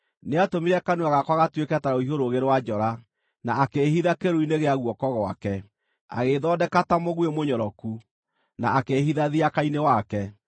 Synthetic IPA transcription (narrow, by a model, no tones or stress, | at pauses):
neatomiɾɛkanuaɣakwaɣatwekɛtaɾaoiɦoɾoɣeɾewad͡ʒɔɾa | naːkeɦiðakeɾoineɣeaɣwɔkɔɣɔa̰kɛ | a̰ɣeðɔːdɛkatamoɣwemoɲɔɾɔku | na̰ʔakeɦiðaðiakainewakɛ